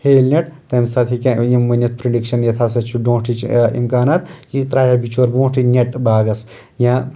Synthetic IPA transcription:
heːlnʲɐʈt̪ɐmsaːt̪ʰikãjimːunʲɐt͡spɾeɖikʃɐnjɐt̪ʰas̬ɐt͡ʃʰuɖõːʈʰit͡ʃḭmkaːnaːt̪kit̪ɾaːjabit͡ʃʰoːɾbõːʈʰinʲɐʈbaːɡɐs | jã

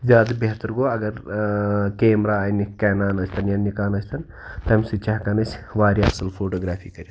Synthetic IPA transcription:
zʲaːd̪beɦt̪ɐɾɡoːɐɡɐɾ | keːmɾaːjnikɛːnaːnɐsʰʲt̪ʰɐnjɐnːikaːnɐsʰʲt̪ʰɐn | t̪ɐmsɨt͡ʃaɦkanɐsʲʋaːɾʲiɐsɐlpʰoːʈoːɡɾaːpʰiːkɐɾi

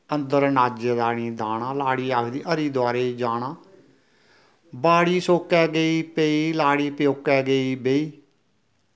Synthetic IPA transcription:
ənd̪əɾnaːd͡ʒed̪aːɽĩːd̪aːɽaːlaːɽiːaːkʰd̪iːʔəɾiːd̪ʊaːɾeːid͡ʒaːɳaː | baːɽiːsoːkɛːɡəiːpeiːlaːɽiːpjoːkɛːɡəiːbeiː

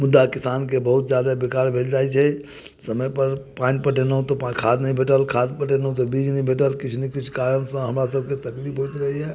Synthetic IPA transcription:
mud̪ːakisankebəɦut̪d͡ʒjad̪abikaɾbʱeld͡ʒajt͡ʃʰɛ | səməjpəɾpanipəʈenəɦũt̪ɔpakʰad̪nəĩbʱeʈəlkʰad̪pəʈenəũt̪̬ɔbid͡ʒnəĩbʱeʈəlkit͡ʃʰnəkit͡ʃʰkaɾənsə̃ɦəmɾasəb̚ʱket̪əklipʰɦojt̪ɾəɦiɦɛ

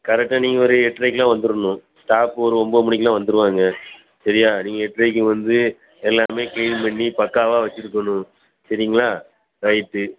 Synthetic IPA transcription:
kɐɾɛk̚ʈːaːniːŋɡɐɔɾɯɛʈːɾɐɪkːlãːʋɐnd̪ɯɾɯnʊ̃sʈaːpːɔɾɯɔmbomʊɳɪkːlãːʋɐnd̪ɯɾɯʋaːŋɡɐ | sɐɾɪjaːniːŋɡɐɛʈːɾɐɪkːɯʋɐnd̪ɯ | ɛlːaːmeːkɐɪlmɐɳːipɐkːaːʋaːʋɐt͡ʃːɯɾɯkːɐnʊ̃ | sɐɾɪŋɡɐɭaː | ɾɐɪʈːɯ

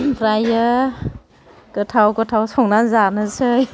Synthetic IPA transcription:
pʰɾajɯ | ɡ̥ɯtʰawɡɯtʰawsɔŋnanzanɯsɯj

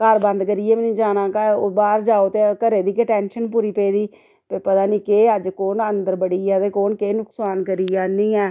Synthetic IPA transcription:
kəɾbə̃nd̪kəɾiːeːmnĩːd͡ʒaːnãːkaːbaːɾd͡ʒaːoːt̪eːkəɾeːd̪iːkeʈɛːnʃənpuːɾiːpeːd̪iː | pepət̪aːniːkeːəd͡ʒkoːnənd̪əɾbəɽiːɛːt̪eːkoːnkeːnʊksaːnkəɾiːaːnĩːɛː

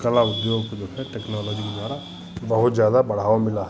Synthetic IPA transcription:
kəlaʊd̪joːɡkd͡ʒoːɦɛʈɛːknɔːlɔːd͡ʒiked̪waːɾa | bɐɦʊt̪zjaːd̪abɐɽ̤aːomɪla

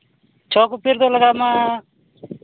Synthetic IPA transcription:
t͡ʃʰɔːkupiɾd̪oləɡaːmãː

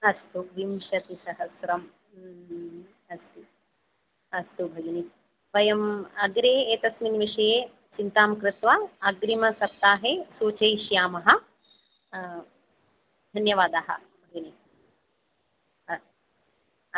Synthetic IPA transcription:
ɐst̪uʋimʃɐt̪isɐɦɐsɾɐm | ɐst̪i | ɐst̪ubʱɐɡɐnit | ʋɐjɐmɐɡɾeːeːt̪ɐsminʋiʂɐjeː | t͡ʃint̪aːmkɾɪt̪ʋaːɐɡɾimɐsɐp̚t̪aːɦeːsuːt͡ʃɐjʃjaːmɐɦɐ̆ | d̪ʱɐnjɐʋaːd̪aːɦɐ̰ | bʱɐɡɐnit̪ | ɐ

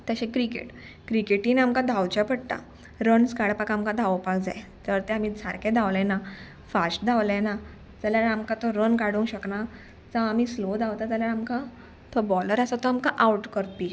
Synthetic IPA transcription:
t̪aɕekɾikḛʈ | kɾikeʈiːnamkãd̪ʱawt͡ɕapəɽt̪a̰ | ɾənskaɽpakamkãd̪ʱaʋpakd͡za̰jt̪əɾt̪ɛamiːd͡zʱaɾkʰẽd̪ʱaʋlɛ̃na | fasʈd̪ʱaʋlɛ̃na | d͡zaljaɾamkat̪ɔɾənkaɽuŋɕəkna | d͡zaamiːslod̪ʱaʋt̪ad͡zəljaɾamka | t̪ʰɔbɔləɾasat̪ɔamkaʔawuʈkəɾp̪i

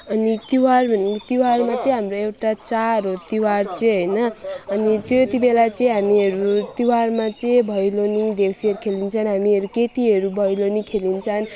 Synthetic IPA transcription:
ʌnit̪iwarʱʌnt̪iwarmat͡sʌĩɦamroewʈat͡saɾot̪iwart͡sʌ̃ɦʌjnʌːnit̪joet̪ibelat͡sʌĩɦamiʌɾut̪iwarmat͡sʌĩbʱʌjlonid̪ewsiʌɾkʰelint͡sʰʌnɦamiʌɾukeʈiʌɾubʱʌjlonikʰelint͡sʰʌn

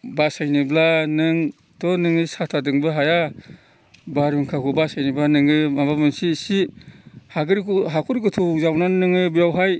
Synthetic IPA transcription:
basajniblanɯŋ | tʰɔnɯŋɯsatʰadɯŋbɯɦaja | baɾuŋkʰakʰubasajnibanɯŋɯmabamɯnsisihaɡɯɾikuɦakʰuɾikɯtʰɔzawnannɯŋɯbijawɦaj

